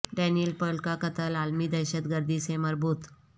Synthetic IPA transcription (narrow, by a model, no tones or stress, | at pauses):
ɖɛnilpəɭkakət̪əlalmiːd̪əɕət̪ɡəɾd̪iːseməɾbuːt̪